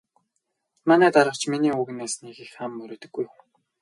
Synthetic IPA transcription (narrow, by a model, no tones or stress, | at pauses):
manæːt̪aɾə̆χt͡ɕminiːuɣɘ̆neːsniːxixamːɵɾoːt̪ɵ̆ɡːuj